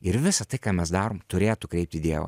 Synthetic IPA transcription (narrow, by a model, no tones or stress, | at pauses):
ɪɾʋʲɪsɐt̪ɐɪkɑːmʲɛsd̪ɑːɾoːmt̪ʊɾʲeːt̪ʊkɾʲɛɪp̚ʲt̪ʲɪd̪ʲiɛʋɐ̰